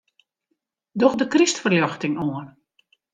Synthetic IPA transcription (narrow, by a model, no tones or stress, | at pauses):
dɔxdəkristfərljɔxtɪŋoən